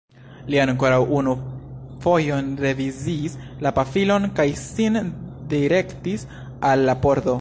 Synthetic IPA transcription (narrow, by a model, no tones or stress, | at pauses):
liaŋko̞ɾawʔunufo̞jo̞nɾe̞viziːslapafilo̞nkajsindiɾe̞ktis | alːapoɾd̪o̞